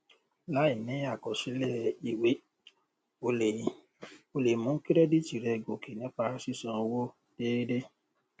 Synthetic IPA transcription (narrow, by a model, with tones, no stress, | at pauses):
la˦i˨nĩ˨˦a˦˨kɔ˨ʃi˨˦lɛ˦˨i˨we˨˦ | o˧e˨ | o˧le˨mũ˨˦ki˦ɾɛ˦di˦t͡ʃi˨ɾɛ˧ɡo˨ki˨nĩ˨˦k͡pa˧˦si˦sã˧wo˦ | d̥e˦de˦